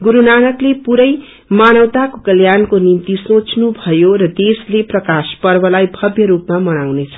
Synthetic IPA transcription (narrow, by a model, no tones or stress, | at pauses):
ɡuɾunanʌklepuɾʌj | manʌwt̪akokʌljankonimt̪isõt͡snubʱʌjoɾʌd̪esleprʌkaspʌrbʌlajbʱʌbʱjʌɾupmamʌnawnet͡sʰʌ̥